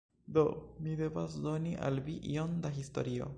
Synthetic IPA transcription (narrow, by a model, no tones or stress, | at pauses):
do̞mide̞vasdo̞niʔa̰lviʔio̞ndaɦisto̞̰ɾio̞̰